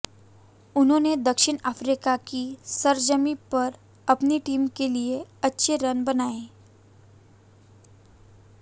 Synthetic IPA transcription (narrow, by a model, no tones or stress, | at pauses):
ʊnɦõːned̪əkʃɪɳafɾikakisəɾd͡ʒəmipəɾ | ɐpniʈiːmkelieɐtːʃʰeɾənbənae